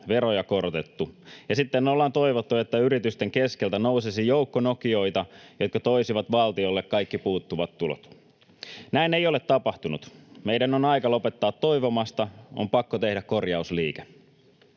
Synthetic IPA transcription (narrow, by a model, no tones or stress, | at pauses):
ʋeɾojɑko̞rot̪et̪ːujɑsit̪ːenolːɑːnt̪o̞iʋot̪ːue̞t̪ːæyɾit̪yst̪e̞ŋkeskelt̪ænousesijoukːonokio̞jt̪ɑjot̪kɑt̪o̞isiʋɑt̪ʋɑlt̪iolːekkɑjkːipuːt̪ːuʋɑt̪ːulo̰t̪ | næinejo̞le̞t̪ːɑpɑht̪unut̪meidænonɑjkɑlo̞pe̞t̪ːɑːt̪ːo̞ijʋomɑst̪ɑo̰mpɑkːot̪e̞hdækkorjɑusliːke